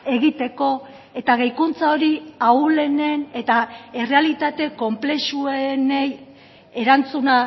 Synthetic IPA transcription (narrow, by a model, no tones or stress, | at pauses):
e̞ɣit̪e̞ko̞ | e̞t̪aɣ̞ejkunt͡sao̞ɾiaule̞ne̞ne̞t̪ae̞re̞alit̪at̪e̞ko̞mple̞suenej | e̞ɾant͡suna